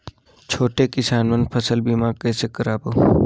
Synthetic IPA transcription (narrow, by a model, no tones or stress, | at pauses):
t͡ʃʰoːʈekɪsaːnmənpʰəsəlbiːmaːkɛːsekəɾaːboː